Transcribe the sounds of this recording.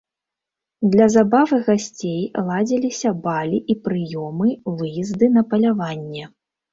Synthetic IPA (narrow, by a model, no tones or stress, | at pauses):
d̪lʲɐzabavɨɣasʲt͡sʲejlˠad͡zʲilʲisʲɐbalʲiʔipɾɨjɔmɨvɨjizd̪ɨnɐpɐlʲavanʲːɛ